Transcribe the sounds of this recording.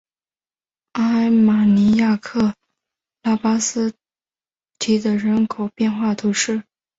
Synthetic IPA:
a˥ma˨˩ni˧˥ja˥˧kʰɤ˥˩ | la˥˩pa˥sɹ̩˥ | t̪ʰi˧˥d̪ə˧ɻə˧˥nkʰo˨˩ʊpjɛ˥˧nxwa˥˩t̪ʰu˧˥ʂɻ̩˥˩

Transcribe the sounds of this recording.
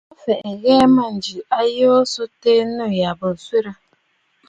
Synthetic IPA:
a˦fe˨ʔe˨ɣe˦ma˨n̩˨d͡ʒi˨a˦je˦o˦so˦te˦nu˦˨ja˨bo˨sʷe˦ɾa˦

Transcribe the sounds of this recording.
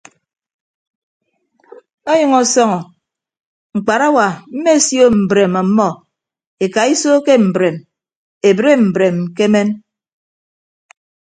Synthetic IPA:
o˦jʌ˨ŋɔ˨sɔ˦ŋɔ˨ | ŋ͡m̩˨k͡pa˨ɾa˦wa˨m̩˦me˦˨sjo˦m̩˨bɾe˨ma˨˦mːɔ˦ | e˨ka˨i˦so˦ke˦m̩˨bɾe˨m | e˨bɾe˦m̩˨bɾe˨mke˦me˦n

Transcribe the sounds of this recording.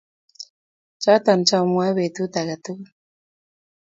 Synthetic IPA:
t͡ʃa˦t̪a˨nt͡ʃa˦u˨mwa˦βe˨t̪u˦t̪a˨ka˨t̪u˦

